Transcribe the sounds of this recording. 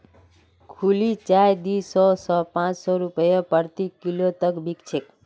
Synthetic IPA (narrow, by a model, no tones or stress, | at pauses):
kʰulit͡ʃajd̪isɔsɔpãt͡ʃsɔɾupəjɔpəɾt̪ikilot̪əkbikt͡ʃʰek